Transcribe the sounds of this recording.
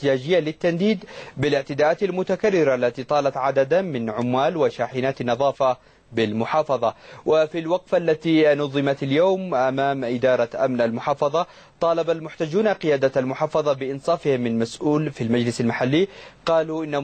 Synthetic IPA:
t̪ɪaːd͡ʒɪjːalɪt̪ːand̪iːd̪bɪlɪʕt̪ɪd̪aːʔaːt̪almʊt̪akarːɪɾaalːat̪it̪ˤɑːlɑt̪ʕad̪ad̪amɪnʕʊmːaːlwaʃaːħɪnaːt̪anːɑðˤɑːfa | bɪlmʊħɑːfɑðˤɑwʔɪfilwɑqfʔalːat̪inʊðˤɨmat̪aljoːmʔamaːmʔɪd̪ɑːɾˤɑʔamnʔalmʊħɑːfɑðˤɑ | t̪ˤɑːlɑbalmʊħt̪ad͡ʒːuːnaqɪjaːd̪almʊħɑːfɑðˤɑbɪʔɪnsˤɑːfɪhɪmːɪnmasʔuːlfilmad͡ʒlɪsalmaħalːiːqɑːluʔɪnːa

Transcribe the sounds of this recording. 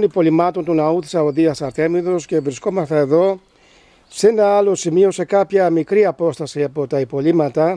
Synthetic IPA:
nipo̞limɐt̪ont̪unɐuθi̥sɐoðiɐsɐɾt̪e̞miðo̞sce̞vɾisko̞mɐst̪eeðo̞ | senɐɐlo̞simio̞se̞kɐpçɐmikɾiɐpo̞st̪ɐsiɐpo̞t̪ɐipo̞limɐt̪ɐ

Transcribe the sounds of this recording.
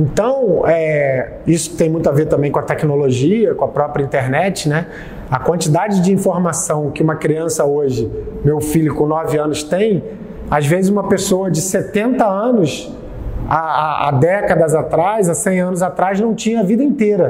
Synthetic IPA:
ẽnt̪ɐ̃w̃ɛ | isʊ̥ɪt̪ẽj̃mũj̃t̪ʊaveɾt̪ɐ̃mbẽj̃kõɐt̪ɛkinoloʒiɐkõɐpɾɔpɾʲjɐĩnt̪eɾnɛt͡ʃɪnɛ | ɐkwɐ̃nt͡ʃid̪ad͡ʒɪd͡ʒɪĩfoɾmasɐ̃w̃kɪũmɐkɾiɐ̃sɐoʒɪmewfiʎʊkõnɔvɪɐ̃nʊst̪ẽj̃ | azvezɪzũmɐpesoɐd͡ʒɪset̪ẽnt̪ɐɐ̃nʊs | aa̰d̪ɛkɐd̪ɐzat̪ɾajzasẽj̃ɐ̃nʊzat̪ɾaznɐ̃w̃t͡ʃĩɲɐɐvid̪ɐĩnt̪eɾɐ

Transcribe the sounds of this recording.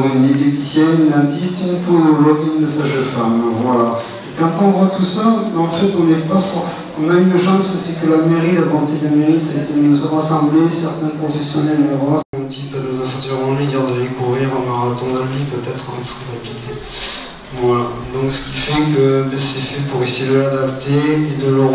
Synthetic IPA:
ʁynmet̪et̪isjɛnylɛ̃t̪ist̪ɔ̃ponɔlɔɡd̪əsaʒənfamvwala | ekɑ̃t̪ɔ̃vwat̪usamɑ̃fɛt̪ɔ̃nɛpafɔʁs | ɔ̃naynyʁʒɑ̃ssɛkəlameʁiavɑ̃t̪ed̪lameʁisaet̪eynozɔ̃ʁasɑ̃blesɛʁt̪ɛ̃pχɔfɛsjɔnɛlːəʁaɛ̃t̪ipanozãfɔ̃t̪lɛʁɑ̃liɡaʁd̪alekuʁiʁɑ̃maʁat̪ɔ̃alɥipøt̪ɛt̪χɔ̃sχɛkɔ̃plikʲe | vwala | d̪ɔ̃ksə̥kʲifɛkəbɛsɛfɛpuʁesejed̪əlad̪apt̪ʰeed̪ələ

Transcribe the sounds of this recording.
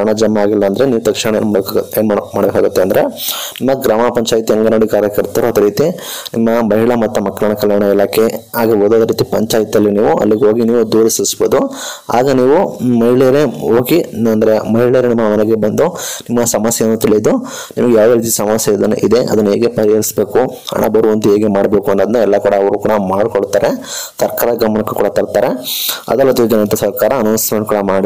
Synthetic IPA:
ɳɐd͡ʒɐmːɐaːɡilːɐːnd̪ɐɾeniːʋut̪ɐkʂiɳɐeːnmeːnmaːɽbeːkaːɡut̪ːeɐnd̪ɐɾe̞nimːɐɡɾaːmɐpɐɲt͡ʃaːjt̪iɐŋɡɐnoːɽikaːɾjɐkɐɾt̪ɐɾuɐd̪ɐɾiːt̪i | nimːɐbɐɦiɭɐmɐt̪ːumɐkːɐɭɐɳɐkɐljaːɳɐilaːkʰeaːɡiboːd̪uɐd̪ɐɾiːt̪ipɐɲt͡ʃaːjt̪ijɐlːiniːʋuʔɐ̰lːiɡeo̞ːɡiniːʋud̪uːɾisisbod̪u | a̰ːɡɐniːʋumɐɦiɭejɾeoːɡinɐnd̪ɐɾemɐɦiɭeɾenimːɐmɐnɛɡe̞bɐnd̪unimːɐsɐmɐsjɐnːuːt̪iɭid̪u | nimɐɡejaːʋɐɾiːt̪̬isɐmɐsjɐid̪ɐn̰ːʔid̪e̞ʔɐ̰d̪ɐnːuɦeːɡepɐɾiɐɾisbe̞ːkuɐ̰nːa̰bɐɾuʋɐnd̪ueːɡemaːɽbeːkuɐnːoːd̪ɐnːɛlːɐkuːɽɐːʋɐɾukuːɽɐmaːɖkoɭt̪aːɾesɐɾkaːɾɐd̪ɡɐmɐnɐkːe̥kṵːɽɐt̪ɐɾt̪aːɾeɐ̰d̪ɐlːɐt̪id͡ʒɐnɐɐnt̪ɐsɐɾkaːɾɐːnoːnsmeːɳʈkuːɽɐmaːɽi

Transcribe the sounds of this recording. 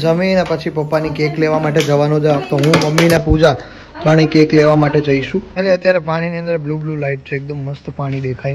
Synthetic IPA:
d͡ʒəminɛpət͡ʃʰipəpːanikekleʋamaʈed͡ʒəʋanõd͡ʒət̪oɦũməmːinapud͡ʒa | paɽ̃ikekleʋamaʈed͡ʒəiʃũeleət̪jaɾepaɽ̃iniə̃nd̪əɾblublulaiʈ̚t͡ʃʰeːk̚d̪əmːəst̪paɽ̃id̪ekʰai

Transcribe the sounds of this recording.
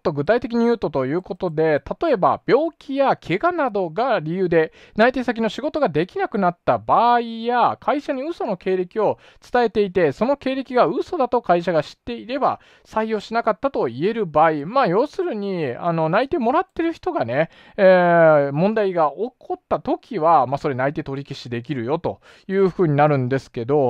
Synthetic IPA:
t̪ːo̞ɡɯ̟t̪ait̪e̞k̬ʲiɲ̟ijɯ̟ːt̪ot̪o̞jɯ̟ːko̞t̪o̞d̪e̞t̪at̪o̞e̞ba̰b̥ʲo̞ːkʲʰijakʰe̞ɡanad̪o̞ɡaɾʲijɯ̟ːd̪e̞ | nait̪e̞sak̬ʲino̞ɕiɡo̞t̪o̞ɡad̪e̞kʲinakɯ̟nat̪ːabaːijakʰaiɕaɲ̟iɯ̟so̞no̞ke̞ːɾe̞kʲio̞ | t͡sɨ̥t̪ae̞t̪e̞it̪e̞so̞no̞ke̞ːɾe̞kʲiɡaɯ̟so̞d̪at̪o̞kaiɕaɡaɕi̥t̪ːe̞iɾe̞ba̰ | saijo̞ːɕinakat̪ːat̪o̞ie̞ɾɯ̟baːimaːjo̞ːsɨɾɯ̟ɲ̟ia̰no̞nait̪e̞mo̞ɾat̪ːe̞ɾɯ̟çi̥t̪o̞ɡane̞ | mõ̞nd̪aiɡaʔo̞kʰo̞t̪ːat̪o̞kʲiβamaso̞ɾe̞nait̪e̞t̪o̞ɾʲikʲiɕid̪e̞k̬ʲiɾɯ̟jo̞t̪o̞̰ | jɯ̟ːɸɯ̟ːɲ̟inaɾɯ̟̃nd̪e̞sɨ̥ke̞d̪o̞

